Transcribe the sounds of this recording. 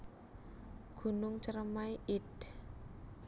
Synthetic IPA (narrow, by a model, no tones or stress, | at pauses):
ɡ̥ṳnʊŋt͡ʃəɾəmajʔɪt̪